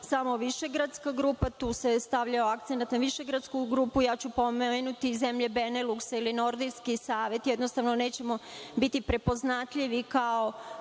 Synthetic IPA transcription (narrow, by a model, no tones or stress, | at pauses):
samo̞ʋiʃe̞ɡɾat̪skaɡɾuːpat̪uːse̞st̪aʋʎaoak̚t̪senat̪naʋiʃe̞ɡɾat̪skuɡɾuːpujaːt͡ɕupo̞meenut̪izemʎe̞beneluksailino̞ɾd̪iskisaːʋe̞t̪jɛd̪nost̪aʋno̞neːt͡ɕe̞mo̞bit̪ipɾe̞po̞znat̪ʎiʋikao̞